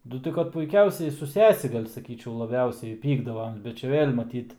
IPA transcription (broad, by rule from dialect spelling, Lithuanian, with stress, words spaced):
nʊ ˈtɐɪ kɐt pʊɪˈkʲɛʊsʲɛɪ sʊ ˈsʲæːsʲɪ ˈɡɐlʲ sɐˈkʲiːt͡ʃʲɛʊ lˠɐˈbʲɛʊsʲɛɪ ˈpʲiːɡdɐʋoːm bʲɛt t͡ʃʲɛ ˈʋʲeːlʲ mɐˈtʲiːt